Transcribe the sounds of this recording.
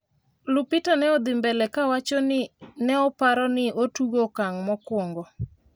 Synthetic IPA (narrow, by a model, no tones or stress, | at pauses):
lʊpɪtanɛɔd̪ɪmbɛlɛkawat͡ʃɔnɪnɛɔpaɾɔnɪotuɡokaŋmɔkwɔŋɡɔ